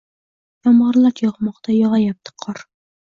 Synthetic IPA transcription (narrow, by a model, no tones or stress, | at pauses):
jɒmʁɑɾlˠɑt̪jɒʁmɑqt̪ɑjɒʁɑjɑp̚t̪ɨ̥qʰɒɾ